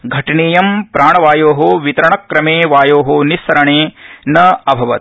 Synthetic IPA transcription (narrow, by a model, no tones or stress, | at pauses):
ɡʱɐʈɐneːjɐmpɾʔaːɳɐʋaːjoːɦoʋit̪ɐɾɐɳɐkːɾɐmeːʋaːjoːɦonisɐɾɐɳeːnɐɐbʱɐʋɐ̰t̪̚